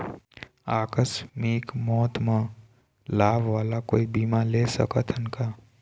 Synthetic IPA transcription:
aːkəsmikmɔːt̪mə̃ | laːbʋaːlakoːibiːmaleːsə̰kət̪ʰɪnkaː

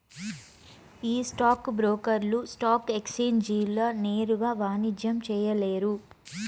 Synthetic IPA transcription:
iːsʈaːkbɾoːkɐɾlusʈaːkekseːnd͡ʒiːlɐneːɾuɡaːʋaːnid͡ʒjɐmt͡ʃɛːjɐleːɾu

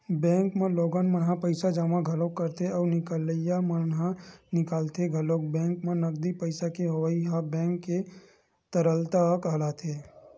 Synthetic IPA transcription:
bɛ̃ːŋkmẽloːɡanmənɦãpəɪsad͡ʒaːmãɡʱɐlokːɐɾt̪eɔːɾnɪkələjamənɦãnɪkaːlt̪eɡʱɐloːk̚bɛ̃ːŋkmẽnɐɡ̚d̪ipəɪsakeɦɐʋəiɦãbɛ̃ːŋkːe | t̪əɾəlt̪akɦɐlaːt̪ʰeː

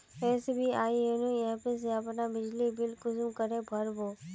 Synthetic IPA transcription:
ɛ̃ːsebʱiːaːienũːɛːpes̬eəpnaːbɪd͡ʒliːbɪlkʊsmkəɾebʱəɾboː

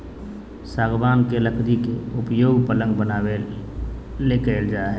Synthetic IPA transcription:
saːɡʋaːnkeləkʰd̪ikḛʊpjoːɡpələ̃ŋɡbənaːwe | lekəld͡ʒaɦɛ

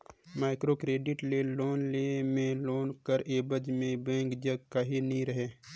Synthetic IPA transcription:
maːɪkɾoːkɾeːɖɪʈleːloːnleːmẽloːnkəɾeːbəd͡ʒmẽbẽːŋkd͡ʒəɡkaɦinəɦĩɾɐɦeː

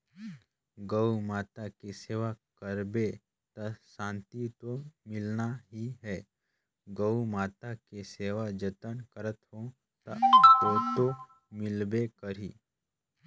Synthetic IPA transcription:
ɡəumaːt̪akeseːʋakəɾbe | t̪ɐʃãːnt̪it̪omɪlnaɦiɦɛː | ɡəumaːt̪akeseːʋad͡ʒət̪ənkəɾət̪ɦõ | t̪aʋoːt̪o | mɪlbekəɾiː

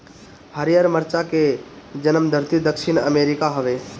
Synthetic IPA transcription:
həɾijəɾməɾt͡ʃaked͡ʒənəmd̪ʱəɾt̪id̪əkʃɪnəmeːɾɪkaɦəʋeː

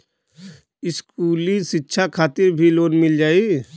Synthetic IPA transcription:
ɪskuːlisɪtːʃʰakʰaːt̪ɪɾbʱiloːnmɪld͡ʒaːi

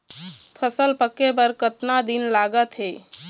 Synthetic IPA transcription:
pʰəsəlpəkːepəɾkət̪nad̪inlaɡət̪ɦe

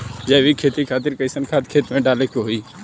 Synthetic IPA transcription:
d͡ʒɛːʋikʰeːt̪ikʰaːt̪ɪɾkəɪsənkʰaːt̪kʰeːt̪mẽɖaːlekoɦoiː

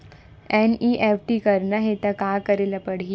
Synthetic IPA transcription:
ɛniːʔefʈikɐɾnaɦet̪ɐkaːkɐɾelapɐɽ̤i

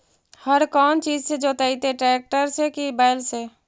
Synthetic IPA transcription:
həɾkɔːnt͡ʃiːd͡ʒsed͡ʒoːt̪ait̪eʈɾɛːk̚ʈəɾsekibaːɪlse

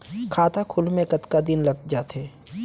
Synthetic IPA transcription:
kʰaːt̪akʰʊlmẽkət̪kad̪ɪnlɐɡ̚d͡ʒat̪ʰeː

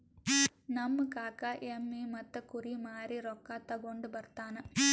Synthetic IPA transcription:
nɐmːɐkaːkaːʔemːimɐt̪ːɐkuɾimaːɾiɾɔkːat̪ɐɡoɳɖubɐɾt̪aːnɐ

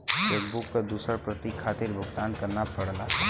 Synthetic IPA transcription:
ʃeːkbʊkːad̪uːsəɾpɾət̪ikʰːaːt̪ɪɾbʱʊɡt̪aːnkɐɾnapɐɽlaɦɛ

